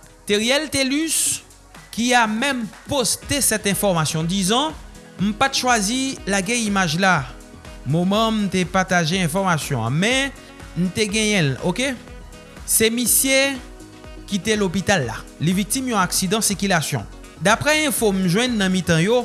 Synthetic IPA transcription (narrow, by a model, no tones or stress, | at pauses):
t̪eʁiɛlt̪elys | kiamɛ̃mpost̪esɛt̪ɛ̃fɔʁmasjɔ̃d̪izɑ̃ | m̩pat̪ʃwazilaɡɛ̃imaʒla | momɑ̃m̩t̪ɛpaʁt̪aʒeɛ̃fɔʁmasjɔ̃ã̰mɛ | m̩t̪ɛɡɛ̃jɛ̃loke | sɛmisje | kit̪ɛlopit̪alːa̰levik̚t̪imjɔ̃aksid̪ɑ̃siʁkylasjɔ̰̃ | d̪apʁɛɛ̃fom̩ʒwɛ̃nːɑ̃mit̪ɑ̃jo